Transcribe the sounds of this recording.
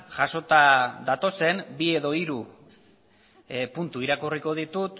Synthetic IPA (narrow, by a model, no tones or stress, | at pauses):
ʝaʃo̞t̪aðat̪o̞se̞mbie̞ðo̞iɾu | punt̪uiɾakuriko̞ð̞it̪ut̪